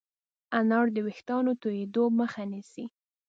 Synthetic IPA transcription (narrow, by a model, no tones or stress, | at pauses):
anɑɽd̪əwɪxt̪ɑnot̪ojed̪oməxanisi